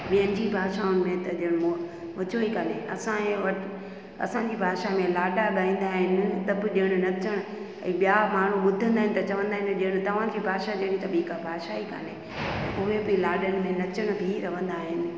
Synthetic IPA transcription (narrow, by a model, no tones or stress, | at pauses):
ɓijənɪ̆d͡ʑiːbʱaːʃaʊnɪ̆mẽt̪ɐʄəɽ̃mo | mɐt͡ɕoikɐneʔɐsãẽʋɐʈ | ɐ̰sãɲd͡ʑiːbʱaːʃamẽlaːɖaɠaĩːnd̪aːɦɪnɪt̪ɐbɪɗijəɽ̃ʊ̆nɐt͡ɕəɽ̃ʊ | ɛ̃ːɓijamaːɳ̤uɓʊd̪ʱə̃nd̪aɦɪnɪ̆t̪ɐt͡ɕɐʋə̃nd̪aːɦɪnɗijəɽ̃ʊt̪ɐʋ̤ãd͡ʑiːbʱaːʃad͡ʑeɽ̃ĩt̪ɐɓiːkabʱaːʃaikɐ̰ne | ɛ̰̃ʔʊɦebɪlaːɗəñɪ̆mẽnɐt͡ɕəɽ̃bʱiɾɐʋə̃nd̪aːɦɪnɪ̆